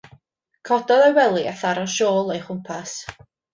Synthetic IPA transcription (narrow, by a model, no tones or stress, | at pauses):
kʰɔdɔðɔjwɛlˠia̰θaɾɔʃoːlˠejχʊmpʰas